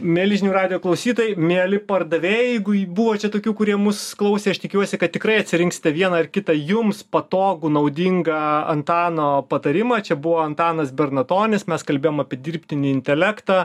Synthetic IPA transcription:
mʲeːlʲɪʒʲɪnʲuːrɑːd̪ʲɪjoːklˠɐʊsʲiːt̪oːjɛɪmʲeːlʲɪpɐrd̪ɐʋʲeːjjɛɪɡʊbuːʋoːt͡ʃʲɛt̪oːkʲuːkʊɾʲiɛmʊsklˠɐʊsʲeːɐʃt̪ʲɪkʲuɔsʲɪkɐt̪t̪ʲɪkrɐɪɐt̪ʲsʲɪɾʲɪŋksʲɪ̥t̪ʲɛʋʲiɛnɐɪrkʲɪt̪ɐjʊmspɐt̪oːɡunɐʊd̪ʲiŋɡɐɐnt̪ɑːnoːpɐt̪ɐɾʲɪmɐt͡ʃʲɛbʊʋoːɐnt̪ɑːnɐsbʲɛrnɐt̪oːnʲɪsmʲɛskɐlʲbʲeːjoːmɑpʲiɛd̪ʲirʲpʲt̪ʲɪnʲɪɪnʲt̪ʲɛlʲækt̪ɑː

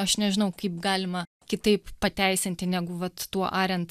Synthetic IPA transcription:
ɐʃnʲɛʒʲɪnɐʊkɐɪp̚ɡɑːlʲɪmɐ | kʲɪt̪ɐɪppɐt̪ʲɛɪsʲɪnʲt̪ʲɪnʲæːɡʊʋɐt̪ːuɔʔɑːɾʲɛnt̪

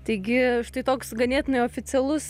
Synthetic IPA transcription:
t̪ɐɪɡʲɪʃt̪ɐɪt̪oːksɡɐnʲeːt̪ʲɪnɐɪoːfʲɪt͡ssʲɛlˠʊs

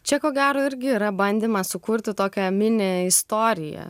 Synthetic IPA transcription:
t͡ʃʲɛkoːɡʲæːɾoːɪɾʲɡʲɪiːɾɐbɐnʲd̪ʲiːmɐsʊkʊɾʲt̪ʲɪt̪oːkʲɛmʲɪnʲeɪst̪oːɾʲɪjɛ̰

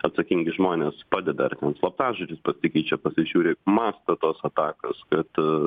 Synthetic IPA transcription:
ɐt̪sɐkʲɪŋʲɡʲɪʒmoːnʲeːspɑːd̪ʲɛd̪ɐɐrt̪ʲɛnslˠɐpt̪ɑːʒʊt͡ʃʲɪspɐsʲɪkʲiːt͡ʃʲɛpɐsʲɪʒʲuːɾʲeːmɑːst̪ɐt̪oːsɐt̪ɑːkoskɐt̪

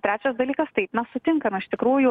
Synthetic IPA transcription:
t̪ʲɾʲæːt͡ʃʲɛsd̪ɐlʲiːkɐst̪ɐɪpnɐsʊt̪ʲɪŋkɐnʊɪʃʲt̪ʲɪkɾuːjʊ

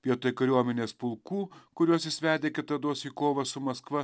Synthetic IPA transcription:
pʲiɛt̪oːjkɐɾʲuɔmʲɛnʲeːspʊlˠkuːkʊɾʲuɔsʲɪsʲʋʲæːd̪ʲeːkʲɪt̪ɐd̪oɔsiːkoːʋɐsʊmɐskʋɐ

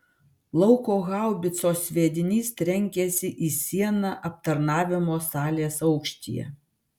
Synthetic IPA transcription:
lˠɒʊkoːɣɑˑʊbʲɪt̪soːsʲʋʲeːd̪ʲɪnʲiːst̪ʲɾʲɛŋʲkʲɛsʲɪʔiːsʲiɛnɑʔɐp̚t̪ɐɾnɑːʋʲɪmoːsɑːlʲeːsɐʊkʃʲt̪ʲḭjɛ̰

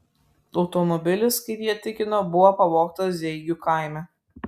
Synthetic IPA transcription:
ɒʊt̪ɔmɔbʲɪlʲɪskɐɪpjiɛt̪ʲɪkʲɪnoːbʊʋoːpɐʋoːkt̪ɐszʲɛɪɡʲuːkaˑɪmʲɛ

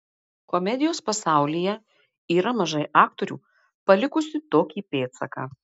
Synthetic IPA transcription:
komʲɛd̪ʲɪjoːspɐsɑˑʊlʲijɛ | iːɾɐmɐʒɐɪʔɑːk̚t̪oɾʲṵː | pɐlʲɪkʊsʲɪt̪oːkʲiːpʲeːt̪sɐka̰ː

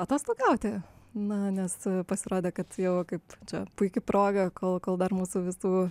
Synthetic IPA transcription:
ɐt̪oːst̪ˠɐʊɡʲɛʊt̪ʲɪnʊnʲɛspɐsʲɪɾoːd̪ʲeːkɐt̪jɛʊkɐɪpt͡ʃʲɛpʊɪkʲɪpɾoːɡɐkoːlˠkoːlˠd̪ɐrmuːsuʋʲɪsuː

